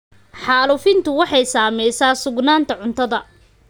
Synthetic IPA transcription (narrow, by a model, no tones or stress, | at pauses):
ħɑːlʊfɪnt̪ʰʊwɑħɑjsaːmɛjsaːsʊɡnaːnt̪ʰɐʕʊnt̪ʰɐðɐ